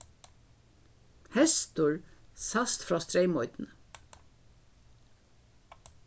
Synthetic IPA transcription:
hɛst̪ʊɹsast̪fɾɔːst̪ɾɛɪmɔʏt̪nə

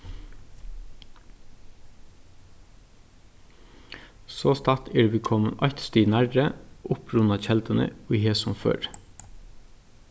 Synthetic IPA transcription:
soːst̪ʰɑt̪ʰeːɖʋɪkʰɔmənʔɑt̪st̪iːnæɾəʔʊpʰɾʉnɑçɛld̪ənə̰oːiheːsɔmfø̰ːɾ

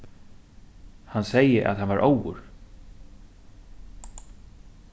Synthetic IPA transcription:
hansɛjəʔa̰ðhanvaɾʔowʊ̰ɹ

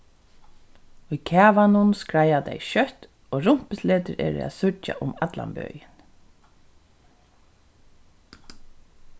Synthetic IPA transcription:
ujkʰɛːʋanʊnskɹajat̪ɛjʃœht̪ | oːɹʊm̥pɪsleːt̪ɪɾɛ̰ːɾɪ̰æ̰ðsʊt͡ʃa̰ʔʊmat̪la̰mbœ̰ːjɪn

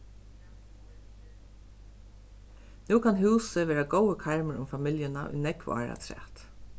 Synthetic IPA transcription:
nuːkʰanɦʉːsəʋeːɾaɡɔwəkʰaɹməɹʊ̰mfamɪljənaʔʊ̰jnɛkvɑ̰ːɹa̰t̪ʰɾɛ̰ːt̪

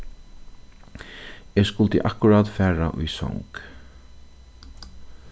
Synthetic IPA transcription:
ɛːskʊlt̪əʔakʊɾaːt̪fæːɹa̰ʔʊ̰jsɔ̰ŋk

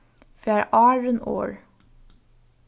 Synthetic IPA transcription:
fæːɹʔɑːɹəno̰ːɹ

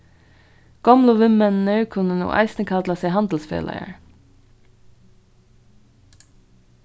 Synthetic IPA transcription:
ɡ̥ɑmloːʋɪmənnœʉkʰʉnəno̰ːʔɑ̰ɪst̪nəkʰɑd̪lɑseɪhɑnd̪l̩spḛːlʔə̰ə̰ɹ

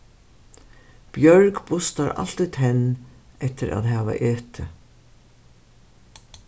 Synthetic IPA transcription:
b̥jœɹkpʊst̪aɾa̰l̥t̪it̪ʰɛnɛht̪ɪɾʔa̰ðɦaːva̰ʔeːt̪ʰɪ

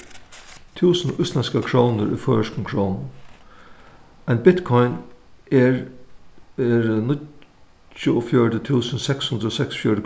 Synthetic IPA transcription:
t̪ʰʉːsn̩ʔʏst̪lænskəkʰɹoʊnəɾʔʉ̰ːføːəʂkn̩kʰɹoʊnn̩ | æɪnbɪt̪kʰɔʏn | ɛɹnɪ | ʊoːfjœːɾət̪ʰʉːsən̩sɛkshʉnd̪ɾəoːsɛksfjɔːɾə

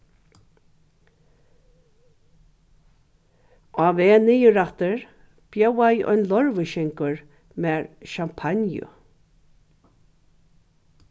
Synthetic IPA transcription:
aːveːnɪjʊɾat̪əɹ | b̥jowajɔ̰jnlɔɹvəʃɪŋkʊɹ | mɛːɹʃampʰanjʊ̰

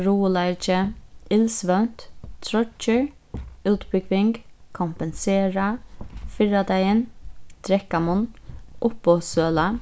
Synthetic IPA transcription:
ɾuːəlæɪɾt͡ʃəɪlsʋœʉnt̪t̪ʰɾɔt͡ʃəɹ | ʉːt̪bʏɡʋɪŋɡkʰʊmpɛnseːɹafɪɹad̪æɪənd̪̥ɾɛkamʊnʔʊpɔsøːla

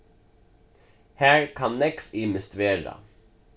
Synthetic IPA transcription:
hæːɹkʰɑnnɛkfɪməst̪ʋeːɾɑ̰

